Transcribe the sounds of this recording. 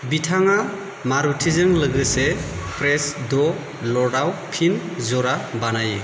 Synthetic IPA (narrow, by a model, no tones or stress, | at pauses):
bitʰaŋa | maɾutʰizɯŋlɯɡɯsepʰɾesdɔ | lɔdawpʰinzɔɾabanaje